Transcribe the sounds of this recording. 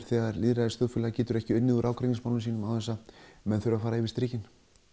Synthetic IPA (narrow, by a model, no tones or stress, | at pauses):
ɾ̥θɛɣaɾliːðɾaðɪst̪œːfʏːlɛɣacɛːt̪ʏɾɛhcɪʏnnɪðuɾaːwkʰɾɛcɪnsmawlʏnsiːnʏmawθɛsːamɛnθʏɾafaːɾaɪvɪst̪ɾiːcɪn